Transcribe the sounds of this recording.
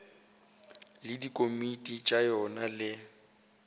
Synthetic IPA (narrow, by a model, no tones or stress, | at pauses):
lɪdikʼomitʼit͡ʃʼajɔnalɪ